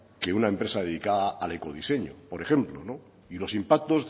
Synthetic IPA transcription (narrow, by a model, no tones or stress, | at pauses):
ke̞unaempɾe̞saðeðikaðaʔale̞ko̞ð̞ise̞ɲopo̞ɾe̞xe̞mplono̞ | ilo̞simpak̚t̪o̞z